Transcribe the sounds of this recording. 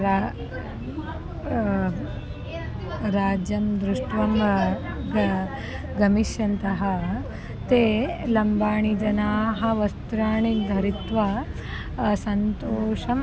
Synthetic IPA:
ɾa | ɾaːd͡ʒjɐmd̪ɾuʂʈʋɐm | ɡɐmiʃjɐnt̪ɐɦɐ | t̪eːlɐmbaːɳid͡ʒɐnaːɦɐ̆ʋɐst̪ɾaːɳid̪ʱɐɾit̪ʋɐ | sɐnt̪oːʂɐm

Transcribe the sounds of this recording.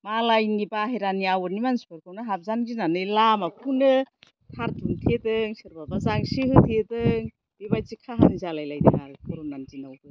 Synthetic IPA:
malajnɡibaɦeɾaniawɔɾnimanspɯɾkʰɯwnɯɦap̚zanɡinanɯjlamapʰunɯ | tʰaɾtʰuŋtʰedɯŋsɯɾbabazaŋsihɯtʰedɯŋ | bibajzikʰaɦanizalajlajdiŋakʰɔɾunanzinawdɯ

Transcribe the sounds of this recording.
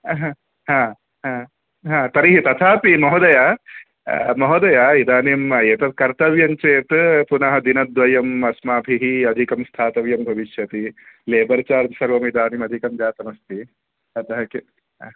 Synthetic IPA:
ɦã | ɦãː | ɦãː | ɦãːt̪ɐɾiɦit̪ɐt̪ʰaːpimɐɦod̪ɐja | mɐɦod̪ɐjaid̪aːnimeːt̪ɐt̪kɐɾt̪ɐʋjɐɲt͡ʃeːt̪punɐɦɐd̪inɐd̪ʋɐjɐmɐsmaːbʱiɦiɐd̪ʱikɐmst̪ʰaːt̪ɐʋjɐmbʱɐʋiʃjɐt̪ileːbɐɾt͡ʃaːɾd̪sɐɾʋɐmid̪aːnimɐd̪ʱikɐmd͡ʒaːt̪ɐmɐst̪i | ɐt̪ɐɦɐke

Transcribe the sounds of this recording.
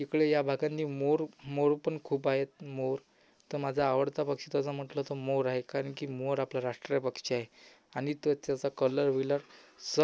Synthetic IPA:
ikɭejabʱaɡãnt̪iːmoɾmoɾpəɳkʰuːpaɦet̪moɾ | t̪əɾmad͡zʱaːʋəɽt̪apəkɕit̪at͡sam̤əʈlɔt̪omoɾaɦekaɾəɳkiːmoɾaplaɾaʂʈɾijapəkɕiaɦe | aɽ̃it̪ət̪jat͡sakələɾʋilaɾsə

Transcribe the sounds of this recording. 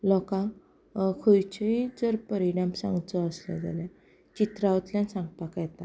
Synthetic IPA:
lɔkã | kʰujt͡ɕəid͡zəɾpəɾiɽ̃amsã̰ŋɡt͡sɔəslɛ̰d͡za̰lɛ | t͡ɕit̪ɾaʋət̪ljãnsãŋɡ̚pakajɛt̪a̰

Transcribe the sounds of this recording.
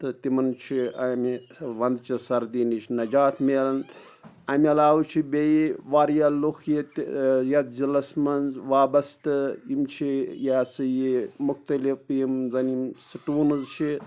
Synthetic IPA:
t̪ɨt̪imɐnt͡ʃʰiɐmiʋɐnd̪t͡ʃʰisɐɾd̪iːnit͡ʃʰnɐd͡ʒaːt̪ʰmeːlɐn | ɐmʲɐlaːwut͡ʃʰibʲejiʋaːɾjaluxjit̪jɐt̪zilɐsmɐnzʋaːbɐst̪ɨimt͡ʃʰijaːsɨjimukt̪ɐlifimzɐnimsɨʈuːnɨzt͡ʃʰi

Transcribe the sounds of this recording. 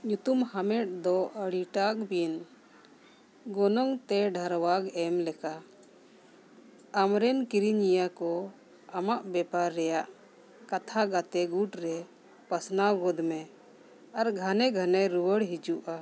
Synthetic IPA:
ɲut̪umhamɛʈ̚d̪ɔəɽiʈakbin | ɡɔnɔŋt̪ɛɖʱəɾwaɡɛmlɛka | amɾɛnkiɾiɲijakɔ | amaʔbɛpaɾːɛjaʔ | kat̪ʰaɡat̪ɛɡuʈɾɛ | pəsnawɡɔd̪mɛ | aɾɡʱanɛɡʱanɛɾuwəɽɦid͡ʒuʔa

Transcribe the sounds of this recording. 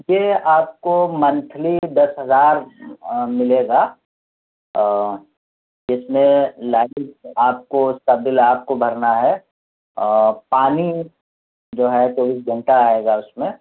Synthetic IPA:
jeaːp̚komɐ̃nt̪ʰlid̪ɐsɦɐzaːɾ | mɪleːɡa | d͡ʒɪsmẽlaːd͡ʒaːp̚kost̪əbɪlaːp̚kobʱɐɾnaɦɛ | paːni | d͡ʒoːɦɛt͡ʃoːbiːs̬ɡʱɐ̃ɳʈaaːeːɡaʊsmẽ

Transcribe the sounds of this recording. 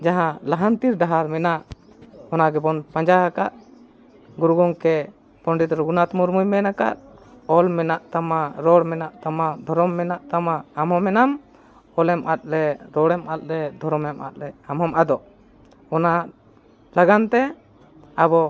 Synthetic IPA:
d͡ʒaɦãlaɦant̪iɾɖaɦaɾmɛnaʔ | ɔnaɡɛbɔnpaɲd͡ʒaɦakaʔ | ɡuɾɡɔŋkɛ | pɔɳɖit̪ɾɡunat̪muɾmujmɛnaka̰ʔ̪̚ | ɔlmɛnaʔt̪amaɾɔɽmɛnaʔt̪amad̪ʱɔɾɔmːɛnaʔt̪amaːmɦɔmɛnam | ɔlɛmʔat̪̚lɛɾɔɽɛmat̪̚ɾɛd̪ʱɔɾɔmɛma̰t̪̚lɛamɦɔmad̪ɔʔ | ɔna | laɡant̪ɛ | abɔ

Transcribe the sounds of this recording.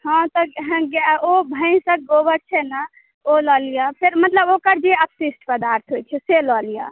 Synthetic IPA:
hãt̪ɔɦɡobʱəɪnsə̃k̚ɡobəɾ̚t͡ʃʰɛna | olɔlijapʰeɾmət̪ləbokəɾd͡ʒeəpsisʈpəd̪aɾt̪ʰɦojt͡ʃʰɛselɔlija̰

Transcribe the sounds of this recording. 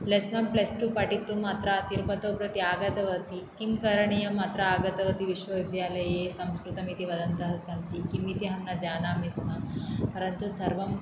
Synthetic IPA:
plesʋɐmplesʈupɐʈit̪ːumaːt̪ɾat̪iɾpɐt̪oːpɾɐt̪iaːɡɐt̪ɐʋɐt̪ikimkɐɾɐɳijɐmaːt̪ɾɐaːɡɐt̪ɐʋɐt̪iʋiʃʋɐʋid̪ʱjaːlɐjesɐmskɾut̪ɐmit̪iʋɐd̪ɐnt̪ɐɦɐsɐnt̪ikimit̪iɦɐmnɐd͡ʒaːnaːmismapɐɾɐnt̪usɐɾʋɐm

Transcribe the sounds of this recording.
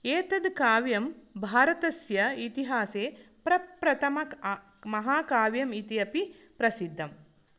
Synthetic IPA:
eːt̪ɐd̪kaːʋjɐmbʱaːɾɐt̪ɐsjɐit̪iɦaːseːpɾɐpɾɐt̪ʰɐmɐkː | mɐɦaːkaːʋjɐmit̪ijɐpi | pɾɐsid̪ʱːɐm

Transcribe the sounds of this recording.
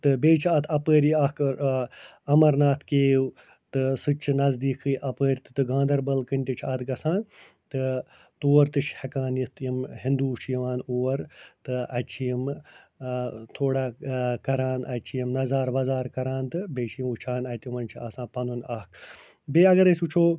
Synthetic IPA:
t̪ɨbeːt͡ʃʰaːt̪ʰɐpəːɾiaːk | ɐmɐɾnaːt̪ʰkeːw | t̪ɨsɨt͡ʃʰɨnɐzd̪iːkʰɨjʔɐpəːɾʲt̪ɨ̥t̪ɨɡãːnd̪ɐɾbɐlkɨnʲt̪ʲit͡ʃʰaːt̪ɡɐsãːn | t̪ɨ | t̪oːɐɾt̪ɨt͡ʃʰhɐkaːnjit̪ʰjimhɪ̃nd̪uːt͡ʃʰjiʋaːnuːɐɾt̪ɨɐt͡ʃʰijim | t̪ʰoːɽakɐɾaːnɐt͡ʃʰijimnɐzaːɾʋɐzaːɾkɐɾãːnt̪ɨbeːt͡ʃʰijimut͡ʃʰaːnɐt̪jimɐnʲt͡ʃʰiaːsãːpɐnunaːkʰ | beːɐɡɐɾesʲut͡ʃʰoː

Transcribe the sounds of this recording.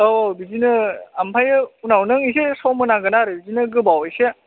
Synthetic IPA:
ɔbizinɯampʰajɯunawnɯŋisesɔmɯnaɡɯnaɾɯbizinɯɡɯbawejse

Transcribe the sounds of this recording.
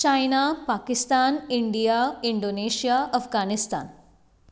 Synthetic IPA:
t͡ʃaːjnapaːkɪst̪aːnɪɳɖijaːɪɳɖoːneːʃijaːɐfɡaːnɪst̪a̰ːn

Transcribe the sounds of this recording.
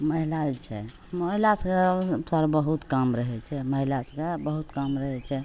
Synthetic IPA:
məɦilad͡ʒt͡ʃʰɛ | məɦilasəɡasəɾbəɦut̪kamɾəɦɛt͡ʃʰɛməɦilasəɡabəɦut̪kamɾəɦɛt͡ʃʰɛ

